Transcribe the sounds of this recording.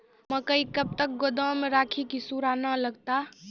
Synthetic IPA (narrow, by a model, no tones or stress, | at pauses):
məkəikəb̚t̪ək̚ɡod̪əmeɾaːkʰikisuɾanaləɡt̪a